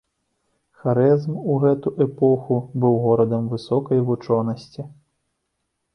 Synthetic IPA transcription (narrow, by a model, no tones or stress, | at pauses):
xaɾɛzmuɣɛt̪uʔɛpɔxubɨwɣɔɾɐd̪ɐmvɨsɔkɐjvut͡ʂɔnɐsʲt͡sʲi